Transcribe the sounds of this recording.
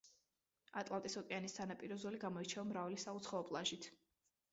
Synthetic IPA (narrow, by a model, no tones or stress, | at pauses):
at̪ʼlˠat̪ʼisɔkʼɛanist̪ʰanapʼiɾɔzɔliɡamɔit͡ʃʰɛɔmɾavalisaut̪sʰχaɔpʼlˠaʒit̪ʰ